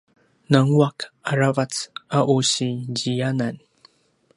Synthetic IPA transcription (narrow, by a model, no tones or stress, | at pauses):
naŋuakaɾavat͡saʔuɕiɟijanan